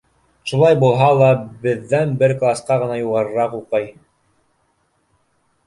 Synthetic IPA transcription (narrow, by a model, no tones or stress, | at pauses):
ʃulˠɑjbulˠɦɑlˠɑbɘ̆ðːænbɘɾklˠasqɑʁɤ̆nɑjuʁɑɾɤ̆ɾɑqulˠqɤj